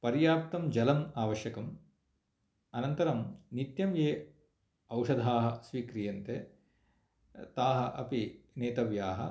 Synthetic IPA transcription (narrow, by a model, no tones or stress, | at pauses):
pɐɾjaːp̚t̪ɐmd͡ʒɐlɐmaːʋɐʃjɐkɐm | ɐnɐnt̪ɐɾɐmnit̪jɐmjeː | ɐwʂɐd̪ʱaːɦɐ̆sʋiːkɾijɐnt̪e | t̪aːɦɐʔɐpineːt̪ɐʋjaːɦɐ̰